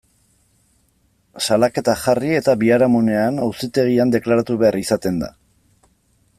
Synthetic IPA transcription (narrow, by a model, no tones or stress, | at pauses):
salake̞t̪axarie̞t̪aβiaɾamune̞anawsit̪e̞ɣ̞iand̪e̞klaɾat̪uβe̞aɾisat̪e̞nd̪a̰